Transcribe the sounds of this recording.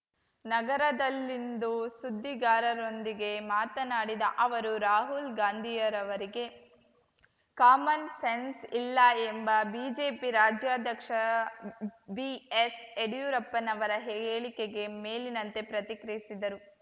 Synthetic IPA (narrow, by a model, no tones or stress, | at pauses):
nɐɡɐɾɐd̪ɐlːind̪usud̪ʱːiɡaːɾɐɾo̞nd̪iɡe̞maːt̪ɐnaːɽid̪ɐʔɐʋɐɾuɾaːɦulɡaːnd̪ʱijɐɾɐʋɐɾiɡe̞ | kaːmɐnsensilːɐembɐbiːd͡ʒe̞ːpiɾaːd͡ʒjaːd̪ʱjɐkʂɐ | bieseɽjuɾɐpːɐnɐʋɐɾɐɦeɡeːɭike̞ɡe̞meːlinɐnt̪e̞pɾɐt̪ikɾijisid̪ɐɾu